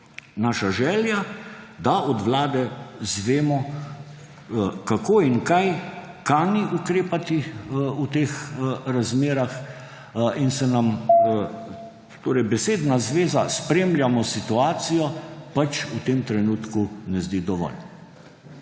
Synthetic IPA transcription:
naːʃaʒɛːljad̪aɔd̪ʋlaːd̪ɛzʋeːmɔ | kakoːiŋkaj | kaniʔukɾeːpat̪iut̪eːxɾazmeːɾax | insɛnam | t̪oːɾɛjbɛseːd̪nazʋeːzaspɾeːmlʲjamɔsit̪uaːsijɔpat͡ʃut̪emt̪ɾɛnuːt̪kunɛzd̪id̪ɔʋɔ̰l

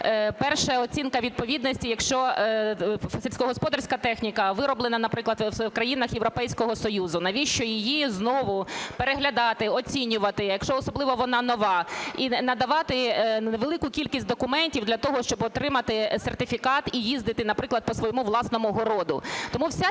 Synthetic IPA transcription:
pɛrʃɐɔt͡sʲinkɐʋʲid̪̚pɔʋʲid̪nɔsʲtʲijɐkʃt͡ʃɔ | fsʲelʲsʲkɔɦɔspɔd̪ɐrsʲkɐt̪ɛxnʲikɐʋɪɾɔblˠɪnɐnɐpɾɪklˠɐd̪kɾɐjinɐxjewɾɔpɛjsʲkɔɦɔsɔjuzʊnɐʋʲiʃt͡ʃɔjijiznɔʋʊpeɾeɦlʲɐd̪ɑt̪ɪɔt͡sʲinʲʊʋɐt̪ɪjɐkʃt͡ʃɔːsɔblˠɪʋɔʋɔnɑnɔʋɑinɐd̪ɐʋɑt̪ɪʋelˠɪkʊkʲilʲkʲisʲt̚ʲd̪ɔkʊmɛnʲtʲiwd̪lʲɐt̪ɔɦɔʃt͡ʃɔbɔt̪ɾɪmɐt̪ɪsert̪ɪfʲikɑt̪ijizd̪ɪt̪ɪnɐpɾɪklˠɐd̪̚pɔsʋɔjɔmuʋlˠɑsnɔmʊɦɔɾɔd̪ʊ̰t̪ɔmuwsʲa

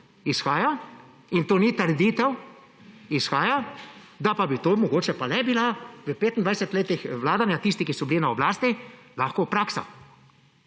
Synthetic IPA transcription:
isxaːja | int̪oːnit̪əɾd̪iːt̪ɛw | isxaːjad̪apabit̪oːmɔɡoːt͡ʃɛpalɛbilaʋəpeːt̪nd̪ʋajsɛt̪leːt̪ixʋlaːd̪anjat̪ist̪ikisɔblinaɔblaːst̪ilaxkɔpɾaːksa̰

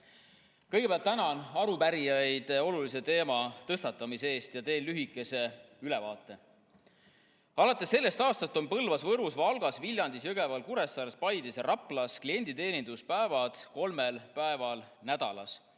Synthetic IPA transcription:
kɤjɡ̥e̥elt̪ːænɑnɑɾupæɾijɑjd̪̥eo̞lulis̬e̞t̪e̞ːmɑt̪ɤst̪ɑt̪ːˑɑmisee̞ːst̪jɑt̪e̞ːnlyɦikːˑe̞se̞yle̞vɑːt̪ːˑe̞ | ɑlɑt̪ːˑe̞sːe̞lːe̞st̪ɑːst̪ɑst̪o̞npɤlvɑsvɤɾusvɑlɡ̥ɑsvilʲjɑnd̪isjɤɡe̞vɑlkuɾe̞sːɑːɾespɑjd̪̥isjɑɾʔɑpːˑlɑsklie̞nʲd̪̥it̪e̞ːnʲind̪̥uspæevɑd̪̥ko̞lmelpæevɑlnæd̪̥ɑ̰lɑ̰s

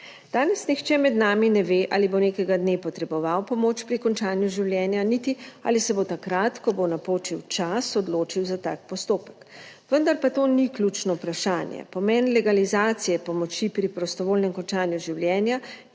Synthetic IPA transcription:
d̪̥aːnɛsnixt͡ʃɛmɛd̪naːminɛʋeʔa̰liboneːkɛɡad̪neːpɔt̪ɾɛbɔʋawpɔmoːt͡ʃpɾikɔnt͡ʃaːnjuʒiwljɛːnjanit̪ia̰lisɛbot̪akɾat̪kɔbonapoːt͡ʃiwt͡ʃasɔd̪loːt͡ʃiwzat̪aːk̚pɔst̪oːpə̥kʋənd̪aɾpat̪oːniklʲuːt͡ʃnɔupɾaʃaːnjɛ̰pɔmɛnlɛɡalizaːt̪sijɛpɔmɔt͡ʃipɾipɾɔst̪ɔʋoːlnɛmkɔnt͡ʃaːnjuʒiwljɛːnja

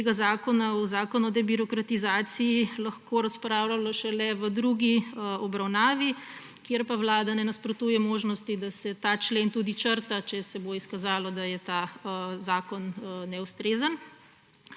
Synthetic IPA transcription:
t̪ɡazaːkɔnaɔzaːkɔnɔd̪ɛbiɾɔkɾat̪izaːt̪sijilɐxkoɾɐspɾawlalɔʃɛlɛʋəd̪ɾuɡiɔbɾawnaːʋi | kjeɾpaʋlaːd̪anɛnaspɾɔt̪uːjɛmoːʒnɔst̪id̪asɛt̪at͡ʃleːnt̪uːd̪it͡ʃəɾt̪at͡ʃɛsɛboiskazaːlɔd̪ajɛt̪azaːkɔnnɛust̪ɾeːzən

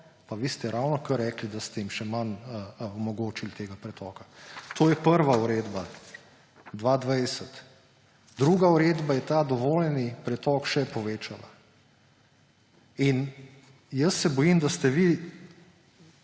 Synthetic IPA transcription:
paʋist̪ɛɾʔawnɔkəɾːɛːklid̪ast̪ɛjimʃɛmanɔmɔɡoːt͡ʃilt̪eːɡapɾɛt̪ɔːkat̪oːjɛpəɾʋauɾeːd̪ba | d̪ʋaːd̪ʋɛjsət̪ | d̪ɾuːɡauɾeːd̪bajɛt̪aːd̪ɔʋoːlnipɾɛt̪ɔːkʃɛpɔʋeːt͡ʃala̰ | in | jəsːɛbɔjimd̪ast̪ɛʋi

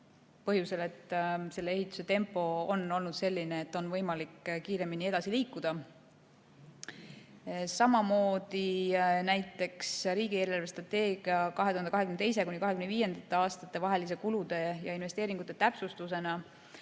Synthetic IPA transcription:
pɤɦjuse̞le̞t̪ːse̞lːee̞ɦit̪ːˑu̥se̞t̪e̞mpːˑo̞onːo̞lnud̪̥se̞lʲːineːt̪ːˑo̞nvɤ̞jmɑlikːkiːɾe̞minie̞d̪̥ɑsiliːkːˑud̪̥ɑ | sɑmɑmo̞ːd̪̥inæjt̪ːˑe̞ksɾiːɡieɾilɑrvʋe̞st̪rɑt̪ːe̞ːɡ̥iɑkɑɦeuhɑnd̪kɑɦkynt̪e̞js̬e̞kunʲikɑɦe̞kymneviːje̞nd̪̥ɑt̪ːˑe̞ɑːst̪ɑt̪ˑːe̞vɑɦe̞lise̞kulud̪̥e̞jɑinvest̪e̞ːɾiŋɡ̥ut̪ˑːe̞t̪æpsust̪use̞nɑ

